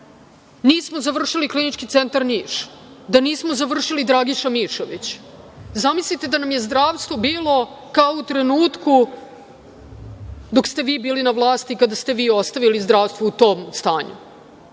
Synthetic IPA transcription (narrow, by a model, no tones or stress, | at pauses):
niːsmozaʋr̩ʂiliklinit͡ʂkit̪sent̪aɾniːʃ | d̪aniːsmozaʋr̩ʂilid̪ɾaɡiʃamiʂoʋit͡ɕ | zamislit̪e̞d̪anamje̞zd̪ɾaːʋst̪ʋo̞biːlˠo̞ | kaout̪ɾe̞nuːt̪ku | d̪o̞kst̪e̞ʋiːbiːlinaʋlˠaːst̪ikad̪ast̪e̞ʋiːo̞st̪aʋilizd̪ɾaːʋst̪ʋout̪o̞ːmst̪a̰ːɲṵ